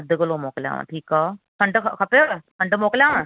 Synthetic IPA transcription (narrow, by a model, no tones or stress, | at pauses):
d̪əkəloːmoːklja̰ːʋã̰ːʈʰiːkɔː | kʰəɳɖkʰəpeokʰəɳɖmoːkljaːʋãː